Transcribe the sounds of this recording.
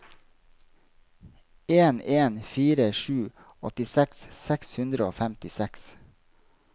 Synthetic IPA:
eːneːnfiːɾəʃʉː | ɔt̪ɪsɛkssɛkshʉnd̪ɾəoːfæmt̪ɪsɛks

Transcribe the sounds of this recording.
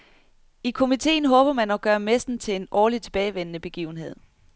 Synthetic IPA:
ikʰo̝mit͡sʰe̝̰ːn̩ɦɔ̽ːb̥ɐmænɒɡ̥ɶːɐmesd̥n̩t͡sʰe̝lenɒːlit͡sʰe̝b̥ɛːɪʋen̰ənəb̥e̝ɡ̥ḭʊn̩ɦe̝ð̞̰ˠ

